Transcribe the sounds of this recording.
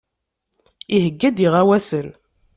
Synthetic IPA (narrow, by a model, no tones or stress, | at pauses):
iɦəɡːæd̪iʁæwæsən